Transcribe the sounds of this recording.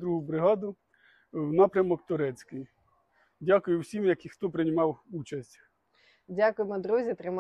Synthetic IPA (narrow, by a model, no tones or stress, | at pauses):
d̪ɾuɦʊbɾɪɦɑd̪ʊ | wnɑpɾʲɐmɔkt̪ʊɾɛt͡sʲkɪj | dʲakʊjʊwsʲimjɐkixt̪ɔpɾɪnʲɪmɑwut͡ʃɐsʲtʲ | dʲakʊjemɔd̪ɾuzʲit̪ɾɪm